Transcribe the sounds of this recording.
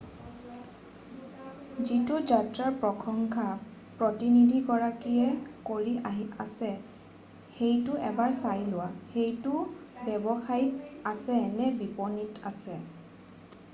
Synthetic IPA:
zitʊd͡ʒatɹaɹpɹɔkʰɔŋkʰa | pɹɔtinidʱiɡɔɹakiɛkoɹiaɦiasɛ | xejtʊɛbaɹsajlʊwaxejtʊbɛbɔxajiasɛnɛbipɔnitasɛ

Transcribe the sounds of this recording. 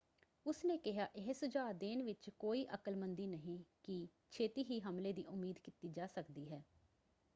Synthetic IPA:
ʊsneːkɪɦaːʔɪɦsʊd͡ʒaːd̪eːnʋɪt͡ʃkoːiːʔəkəlmənd̪iːnəɦĩːkiː | t͡ʃʰeːt̪iːɦiːɦəmleːd̪iːʔʊmːiːd̪kiːt̪iːd͡ʒaːsəkd̪iːɦɛː

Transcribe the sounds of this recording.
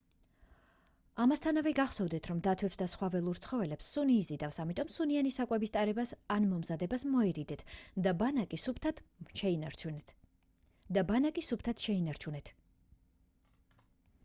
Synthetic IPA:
amast̪ʰanavɛɡaχsɔvd̪ɛt̪ʰɾɔmd̪at̪ʰwɛpsd̪asχwavɛlˠuɾt̪sʰχɔvɛlɛpsːuniːzid̪afsamit̪ʼɔmsunianisakʼwɛbist̪ʼaɾɛbasanmɔmzad̪ɛbasmɔɛɾid̪ɛt̪ʰd̪abanakʼisup̪ʰt̪ʃɛinau | d̪abanakʼisup̚t̪ʰat̪ʃɛinaɾt͡ʃʰunɛt̪ʰ

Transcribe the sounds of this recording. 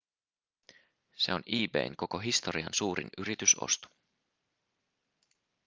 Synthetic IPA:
se̞̰o̞niːbe̞̰iŋko̞ko̞ɦist̪o̞ɾiɑ̰nsuːɾḭnyɾit̪yso̰st̪u̥

